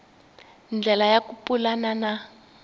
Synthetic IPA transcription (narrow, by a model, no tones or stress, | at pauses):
nd͡ɮʱɛlajakupʼulanana